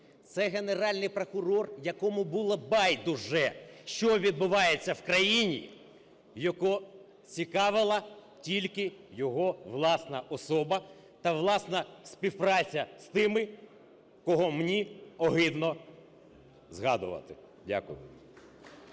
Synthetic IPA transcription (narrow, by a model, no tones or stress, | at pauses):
t̪sɛɣeneɾɑlʲnɪjpɾokʊɾɔrjɐkɔmʊbulˠɐbɑjd̪ʊʒɛʃt͡ʃɔʋʲid̪̚bʊʋɑjet͡sʲːɐwkɾɐjinʲḭ | jɐkɔ | t͡sʲikɑʋɪlˠɐ | tʲilʲkɪjɔɦɔʋlˠɑsnɐʔɔsɔbɐ | t̪ɐʋlˠɑsnɐsʲpʲiwpɾɑt͡sʲɐst̪ɪmɪ | kɔɦɔmnʲiɔɦɪd̪nɔ | zɦɑd̪ʊ̰ʋɐ̰t̪ɪ̰ | dʲa̰kʊ̰jʊ̰